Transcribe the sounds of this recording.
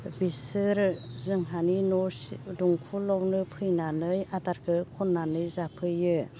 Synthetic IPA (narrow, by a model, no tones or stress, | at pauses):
bisɯɾzɯŋɦaninɔduŋkʰulɔwnɯpʰɯjnanɯjataɾkʰɯkʰɔnːanɯjzapʰɯjɯ